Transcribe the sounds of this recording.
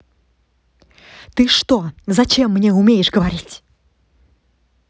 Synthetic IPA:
t̪ɨʂt̪ozɐt͡ɕemːnʲeʊmʲejɪʂɡəvɐɾʲitʲ

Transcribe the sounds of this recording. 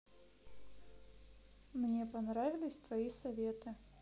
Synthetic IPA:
mnʲepɐnɾavʲɪlʲɪsʲt̪vɐisɐvʲet̪ɨ

